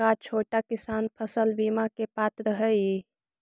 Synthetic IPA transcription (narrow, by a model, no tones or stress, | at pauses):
at͡ʃʰoːʈakɪsaːnpʰəsəlbimakepat̪ɾəɦəj